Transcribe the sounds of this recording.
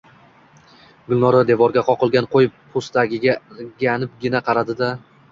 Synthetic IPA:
ɡʊlˠnɒɾad̪e̞vɒɾɡʲaqʰɒqɨlˠɡʲanqʰojɪpʰːost̪aɡʲɪɡʲaɡʲanɪp̚ɡʲɪnaqʰɑɾad̪ɪd̪a

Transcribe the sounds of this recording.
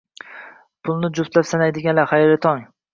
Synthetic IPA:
pʰʊlˠnɪd͡ʒʊft̪lapsanajd̪ɪɡʲanlaχajɾɪt̪ʰɒŋ

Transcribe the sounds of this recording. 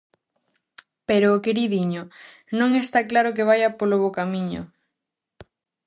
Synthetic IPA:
peɾoːkeɾiðiɲʊ | nõŋest̪aklaɾʊk̬eβ̞ajapoloβokamiɲʊ̰

